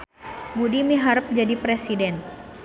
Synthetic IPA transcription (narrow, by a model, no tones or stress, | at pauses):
budimiɦaɾəp̚d͡ʒadipɾesidɛn